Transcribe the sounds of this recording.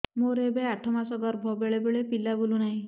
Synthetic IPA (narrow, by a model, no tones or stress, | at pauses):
moɾebeaʈʰɔmasɔɡɔɾbʱɔbeɭebeɭepilabolunaɦĩ